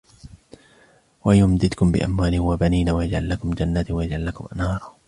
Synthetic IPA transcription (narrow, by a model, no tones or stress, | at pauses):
wajʊmd̪ɪt̪kʊmbɪ̰ʔa̰mwaːlɪwabaniːnawajad͡ʒʕalːakʊmd͡ʒanːaːt̪wajad͡ʒʕalːakʊmʔa̰nhɑːɾˤɑ